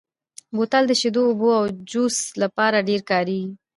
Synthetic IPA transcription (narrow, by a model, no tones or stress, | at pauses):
bot̪ald̪əʃed̪oːboawd͡ʒuslapɑɾaɖeɾkɑɾii